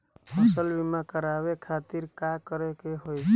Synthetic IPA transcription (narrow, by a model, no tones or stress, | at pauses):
həsəlbimakəɾaβekʰat̪iɾkakəɾekeɦojt͡ʃʰ